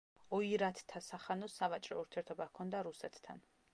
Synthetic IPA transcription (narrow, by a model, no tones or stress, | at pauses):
ɔiɾat̪ʰt̪ʰːasaχanɔsavat͡ʃʼɾɔ̰uɾt̪ʰiɛɾt̪ʰɔbakʰɔnd̪aɾusɛt̪ʰt̪ʰːa̰n